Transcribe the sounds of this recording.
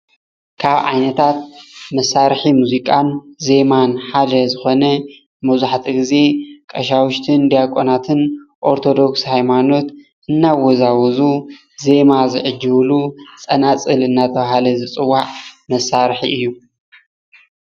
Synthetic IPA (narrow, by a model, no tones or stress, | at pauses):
kʰaβʕa̰jnɐt̪ʰat̪̚mɐsaɾħimuzikʼanze̞manħad̪ɐzɨxo̞nɐ | mɐzaħt̪ʰiɡɨze̞kʼɐʃawʊʃt̪ʰɨnd̪ijakʼonat̪ʰɨnʔo̞ɾt̪ʰo̞d̪o̞kshajmano̞t̪ | ʔɨnːawɔzawɔzu | ze̞mazɨʕɨd͡ʒːɨβlut͡sʼɐnat͡sʼɨlɨnːat̪ʰɐβhalɐzɨt͡sʼɨwːaʕmɐsaɾħḭʔɨjːu